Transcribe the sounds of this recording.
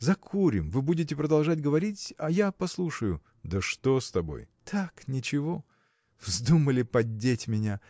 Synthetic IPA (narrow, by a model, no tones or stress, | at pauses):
zɐkʰuɾʲɪmvɨbudʲɪt̬ʲɪpɾəd̪ɐlˠʐatʲɡəvɐɾʲitʲɐjapɐslˠuʂəjʊ | d̪əʂt̪ost̪ɐbo̞̰jt̪ʰaknʲɪt͡ɕɪvo | vzd̪uməlʲɪpɐdʲːetʲmʲɪnʲa